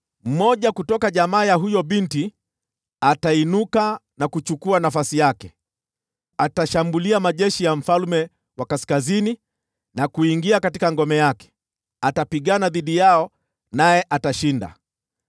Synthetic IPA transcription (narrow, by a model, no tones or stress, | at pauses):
m̩mɔʄakutɔkaʄamaːjaɦujɔɓinti | atainukanakut͡ʃukuanafasijakɛ | ataʃambuliamaʄɛʃijam̩falmɛ | wakaskazini | nakuiŋɡiakatikaŋɡɔmɛjakɛ̥ | atapiɠanaðiɗijaɔ | najɛʔataʃinda̰